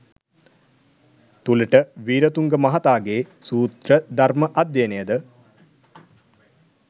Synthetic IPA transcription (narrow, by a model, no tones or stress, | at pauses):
t̪uləʈəʋiːɾət̪uŋɡəmɐɦat̪aːɡeː | suːt̪ɾəd̪arməʔɐd̪jenejəd̪ə